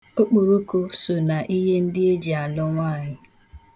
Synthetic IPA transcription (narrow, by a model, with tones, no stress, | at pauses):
o˦k͡po˨ɾo˦ko˦so˨na˨ʔi˦ɦe˦n̩˦dɪ˦e˦d͡ʒi˨a˨lʊ˦ŋʷaː˦˨ɲɪ˦